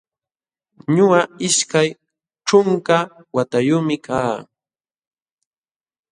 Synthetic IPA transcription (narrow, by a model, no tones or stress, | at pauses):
ɲʊaɪʃkaj | ʈ͡ʂʊŋka | wat̪ajʊmɪkʰaː